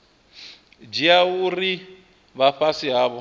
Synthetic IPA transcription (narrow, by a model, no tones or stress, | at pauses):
d͡ʒiauri | βaɸasiɦaːβɔ